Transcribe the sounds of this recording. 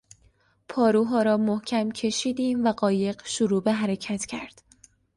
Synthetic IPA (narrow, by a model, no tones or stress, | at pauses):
pʰɒːɾuːɦɒːɾɒːmohcʰæmcʰe̞ʃiːd̪iːmvæɢɒːje̞ɢʃuɾuːbeɦæɾecʰæt̪ʰcʰæɾd̪̥